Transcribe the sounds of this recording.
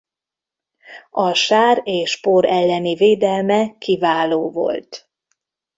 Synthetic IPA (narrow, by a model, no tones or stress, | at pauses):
ɒʃaːɾeːʃpoːɾʔɛlːɛniveːd̪ɛlmɛkivaːloːvo̞̰lt̪